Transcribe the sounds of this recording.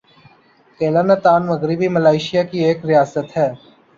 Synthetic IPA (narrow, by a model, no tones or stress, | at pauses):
keːlaːnat̪aːnməɣɾɪbiməlaːɪʃɪjakieːkɾɪjaːsət̪ɦɛː